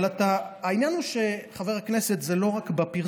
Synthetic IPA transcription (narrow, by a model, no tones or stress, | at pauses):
lat̪aːinjanhuʃe̞χave̞ʁhakne̞set̪zelo̞ʁakbapiʁ